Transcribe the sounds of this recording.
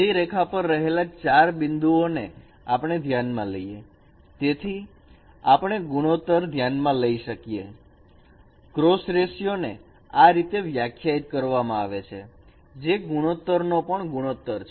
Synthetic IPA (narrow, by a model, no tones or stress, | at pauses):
iɾekʰapəɾːəɦelat͡ʃaɾbɪnd̪uone | apɳ̃ed̪ʱjanmãləije | t̪et̪ʰi | apəɽ̃eɡuɽ̃ot̪əɾd̪ʱjanmãləiʃəkijḛ | kɾosɾesjonḛ | aɾit̪eʋjakʰjait̪̚kəɾʋamãaʋet͡ʃʰe | d͡ʒeɡuɽ̃ot̪ːəɾnopəɳɡuɽ̃ot̪ːəɾt͡ʃʰ